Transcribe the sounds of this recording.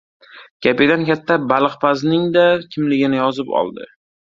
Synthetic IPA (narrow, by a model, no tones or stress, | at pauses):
ɡ̥ʲaped̪ankʲʰat̪ʰːabalˠɨqpʰaznɪŋd̪akʲʰɪmlɪɡʲɪnɪjɒzɪpɒ̰lˠd̪ɪ̰